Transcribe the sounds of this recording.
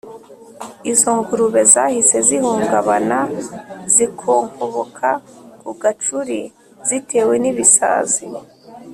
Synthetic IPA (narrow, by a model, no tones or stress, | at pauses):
izo̞ŋɡuɾuβe̞zahise̞zihuːŋɡaβanazikʰoːŋkʰoβokʰakuɡat͡ʃuɾi | z̥itʰe̞ːwe̞niβisa̰ːzi